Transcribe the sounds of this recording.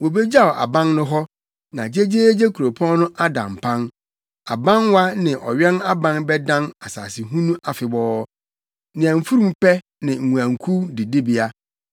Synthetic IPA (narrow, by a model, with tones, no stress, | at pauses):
wo˨be˦d͡ʑa˦˨ɔ˨ʔa̰˨bã˦nnʊ̃˦ɦɔ˦ | nã˨d͡ʑe˦d͡ʑeː˦d͡ʑe˦kʰu˨ɾo˨pʰɔ̃˦n˦nʊ̃˦ʔa˦dã̰˨m˨pʰã˦n | a˨bã˦nwa˦nɪ̃˨ʔɔ̰˨ɥɛ̃˦na˦bã˦nbɛ˦dã˦na˨sa̰ː˨sɪ˨ɦũ˦nũ˦ʔa˨fɪ˨bɔː˦ | nɪ̃˨æ̃˨m̩˨fu˦ɾũ˦mpɛ˦ | nɪ̃˨ŋ̩˨ŋũ˨æ̃˨ŋ̩kʰu˦dɪ˨dɪ˦bi˨a˦